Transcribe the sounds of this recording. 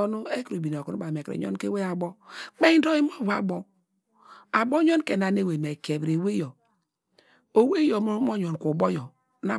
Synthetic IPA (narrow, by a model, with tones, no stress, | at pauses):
nu˦e˦kɾo˨bi˨n˨o˨ku˨nu˦ba˨m˨e˨kɾḛ˨ɲo̰˦n˦ke˦we˦ja˨bɔ˦k͡pe˦do˦ji˦mo˦˨va̰˨bɔ˦ | a˨bo˦ɲo˦nke˨na˨ne˦we˨me˨ke˨bɾe˨we˦jo˨ | o˨we˦jo˨m˦mo˦ɲo˨nku˨bo˦jɔ˨˦ | na˦